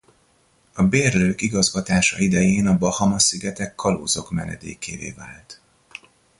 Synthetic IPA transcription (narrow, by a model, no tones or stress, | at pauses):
ɒbeːrløːkiɡɒzɡɒt̪aːʃɒ̰id̪ɛjeːnɒbɒhɒmɒsiɡɛt̪ɛkʰːɒloːzo̞kmɛ̰nɛ̰d̪ḛːkʰeːɾḛːva̰ːlt̪